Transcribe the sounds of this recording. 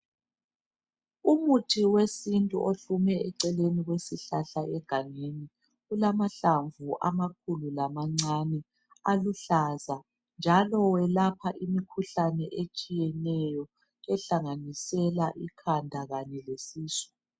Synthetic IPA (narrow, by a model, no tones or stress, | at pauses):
umutʰiwesintʼṵʔoɬumɛɛǀɛleniɣwesiɬaɬaɛɡ̥ʱaŋeni | ɣulamaɬaɱvuʔamak̚ʰululamaŋ͡ǀanɛ | aluɬaza | nd͡ʒʱalɔwɛlapʰaʔimikʰuɬanɛʔet͡ʃʼijɛnɛjɔ | ɛɬaŋanisɛlaʔikʰandʱaɣaɲɛlesiːsɔ̥